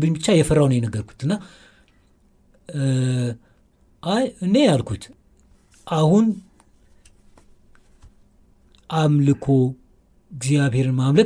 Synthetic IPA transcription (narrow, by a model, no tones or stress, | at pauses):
bɨɲbɨt͡ʃːajɛfərːawnəwjɛnəɡːəɾkʰu̥t̪ɨnːa | ʔajɨne̞jalkʰut̪ʰ | ʔahun | ʔamlɨkʰo̞ | ɪɡzjaβhe̞ɾɨnmamlə